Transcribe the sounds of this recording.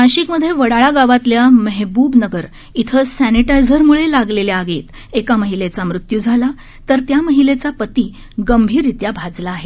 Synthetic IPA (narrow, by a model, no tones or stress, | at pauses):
kãɕikməd̪ʱːjeʋəɽaɭaɡaʋat̪ljaməɦbuːbnəɡəɾ | it̪ʰəsæniʈajd͡zʱəɾmuɭelaɡleljaːɡeːt̪ | ekaməɦilet͡samɾut̪jud͡zʱala | t̪əɾt̪jaməɦilet͡sapət̪iː | ɡəmbʱiːɾit̪jabʱad͡zlaːɦe